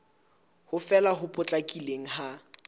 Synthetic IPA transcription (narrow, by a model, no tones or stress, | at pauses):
hʊfɛlaɦʊpʼʊt͡ɬʼakʼileŋ̩ha